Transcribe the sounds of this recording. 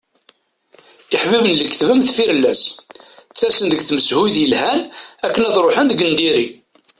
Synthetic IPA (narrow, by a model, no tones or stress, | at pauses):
ɪħvibənləkθvəmθfiɾlːæs | t͡sːæsənd̪əɡθməshujθjəlhænækːənæðɾˤoħənd̪əɡənd̪iɾi